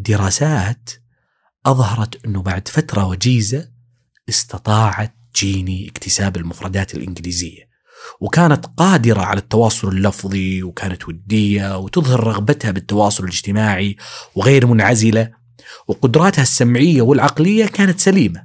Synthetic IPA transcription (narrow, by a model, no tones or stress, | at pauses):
d̪ːɪɾˤɑːsaːt̪ | ʔɑðˤhɑɾˤɑt̪ʔɪnːʊbaʕd̪fat̪ɾˤɑwad͡ʒiːza | ʔɪst̪ɑt̪ˤɑːʕɑt̪ːd͡ʒiːniʔɪkt̪ʰɪsaːbɪlmʊfɾˤɑd̪aːt̪ɪlʔɪ̰nɡɪliːzɪjːa | wkaːnat̪qɑːd̪ɪɾa̰ʕa̰lat̪ːɑwɑːsˤʊlɪlːɑfðˤiwkʰaːnat̪wad̪ːɪjːawt̪ɨðˤhɑɾːˤɑɣbat̪habɪt̪ːɑwɑːsˤʊlɪlɪd͡ʒt̪ɪmaːʕiwɣeːɾmʊnʕazɪla | wqʊd̪ɾˤɑːt̪hasːamʕɪjːawɪlʕɑqlɪjːakaːnat̪saliːma